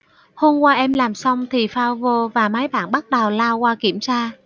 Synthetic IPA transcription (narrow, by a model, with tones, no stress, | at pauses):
ho˧mkwaː˧ʔɛ˧mlaː˨˩msa˧wŋ͡mt̪ʰi˨˩faː˧wvo˧vaː˨˩maː˨˦jɓa̰ː˧˨nɓa˦˥t̚ɗa˨˩wlaː˧wkwaː˧ki˧˩əmsaː˧